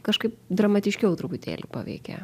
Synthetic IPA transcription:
kɐʃkɐɪp̚d̪ɾɐmɐt̪ʲɪʃʲkʲɛʊt̪ɾʊpʊt̪ʲḛːlʲupɑ̰ːʋʲɛ̰ɪkʲɛ̰

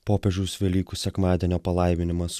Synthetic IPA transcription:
poːpʲɛʒʲuʊsʋʲɛlʲiːkusʲɛkmɑːd̪ʲiɛnʲoːpɐlˠɐˑɪmʲɪnʲɪmɐs

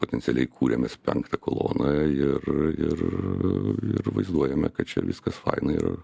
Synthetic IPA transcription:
poːt̪ʲɛnʲtsʲɪɛlʲɛɪkʰuːɾʲɛmʲɛspʲɛŋkt̪ɐkolˠo̰ːnɐɪrɪr | ɪ̰rʋɐɪzd̪uɔjɛmʲɛkɐt̪t͡ʃʲɛ̰ʋʲɪskɐsfɐ̰ɪnɐiɪ̰ɾ̰

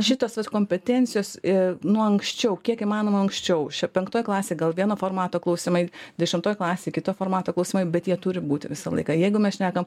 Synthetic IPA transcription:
ʃʲɪt̪oːsʋɐt̪koːmʲpʲɛt̪ʲɛnʲt̪sʲɪjoːsɪnʊɔɐŋksʲt͡ʃʲɛʊkʲiɛkɪmɑːnoːmɐɐŋksʲt͡ʃʲɛʊʃʲɛpʲɛŋkt̪oːjklˠɑːsʲeːɡɐlˠʋʲiɛnoːfoːrmɑːt̪oːklˠɐʊsʲɪmɐɪd̪ʲɛʃʲɪmt̪oːjklˠɑːsʲeːkʲɪt̪oːfoːrmɑːt̪oːklˠɐʊsʲimɐɪbʲɛt̪jiɛt̪ʊɾʲɪbuːt̪ʲɪʋʲɪsɐlˠɐ̰ɪkɑjɛɪɡʊmʲɛsʃʲnʲæːkɐm

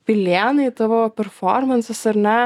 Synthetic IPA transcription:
pʲɪlʲeːnɐɪt̪ɐʋoːpʲɛɾfɔ̰ɾmɐnsʲɛsɐɾnʲɛ

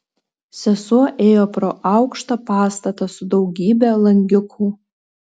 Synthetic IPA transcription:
sʲɛsuɔʔeːjoproːʔɑwkʃt̪ɐpɑːst̪ɐt̪ɐsʊd̪owɡʲiːbʲælˠɐŋʲɡʲɪkʰu

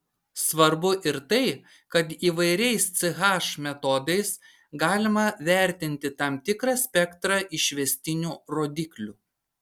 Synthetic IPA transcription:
sʋɐɾbʊʔɪɾt̪ɐɪ | kɐt̪iːʋɐɪɾʲɛɪst̪sʲɪɣɑːʃmʲɛt̪ɔd̪ɐɪs | ɡɑːlʲɪmɐʋʲæˑɾʲt̪ʲɪnʲt̪ʲɪt̪ɐmt̪ʲɪkɾɐsʲpʲɛkt̪ɾɑʔɪʃʲʋʲɛsʲt̪ʲɪnʲuːɾoːd̪ʲɪklʲu

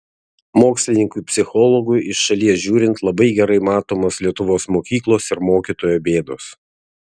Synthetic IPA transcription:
moːksʲlʲɪnʲɪŋkʊpʲsʲɪxɔlˠɔɡʊjɪʃʃɐlʲiɛsʒʲuːɾʲɪnt̪lˠɐbɐɪɡʲɛɾɐɪmɑːt̪oːmoːslʲiɛt̪ʊʋoːsmoːkʲiːklˠoːsɪɾmoːkʲit̪oːjoːbʲeːd̪o̰ːs

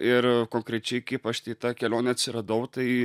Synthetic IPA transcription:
ɪɾkoːŋkɾʲɛt͡ʃʲɛɪkɐɪpɐʃt̪ʲɐɪt̪ɑkʲɛlʲoːnʲɛɐt̪ʲsʲɪɾɐd̪ɐʊt̪ɐɪ

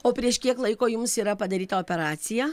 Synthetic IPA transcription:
oːpʲɾʲiɛʃkʲiɛklˠɐɪkoːjʊmsiːɾɐpɐd̪ɐɾʲiːt̪ɐoːpʲɛɾɑːt̪sʲɪjæː

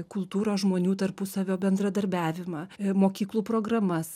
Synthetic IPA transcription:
kʊlˠt̪uːɾoːsʒmoːnʲuːt̪ɐrpʊsɐʋʲoːbʲɛnd̪ɾɐd̪ɐɾʲbʲæːʋʲɪmɐːmoːkʲiːklˠuːpɾoːɡɾɐmɐs

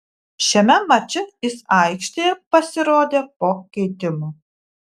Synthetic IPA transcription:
ʃʲɛmʲɛmɐt͡ʃʲɪjɪsɐɪkʃʲt̪ʲejɛpɐsʲɪɾoːd̪ʲeːpoːkʲɛɪt̪ʲɪmu

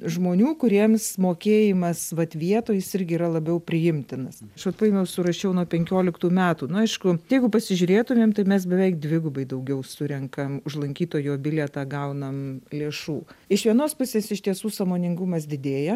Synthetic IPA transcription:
ʒmoːnʲuːkʊɾʲiɛmsmoːkʲeːjɪmɐsʋɐt̪ʋʲiɛt̪oːjɪsɪɾʲɡʲɪiːɾɐlˠɐbʲɛʊpʲɾʲɪjɪmʲt̪ʲɪnɐsɐʃʋɐt̪pɐɪmʲɛʊsʊɾɐʃʲɛʊnuɔpʲɛŋʲkʲoːlʲɪkt̪uːmʲæːt̪uːnʊɐɪʃkʊjɛɪɡʊpɐsʲɪʒʲʊɾʲeːt̪ʊmʲeːmt̪ɐɪmʲɛs̬bʲɛʋʲɛɪk̚d̪ʲʋʲɪɡʊbɐɪd̪ɐʊɡʲɛʊsʊɾʲɛŋkɐmʊʒlˠɐŋʲkʲiːt̪oːjoːbʲɪlʲɛt̪ɑːɡɐʊnɐmlʲeːʃuːɪʃʋʲiɛnoːspʊsʲeːsɪʃt̪ʲiɛsuːsɐmoːnʲɪŋɡʊmɐs̬d̪ʲɪd̪ʲeːjɛ

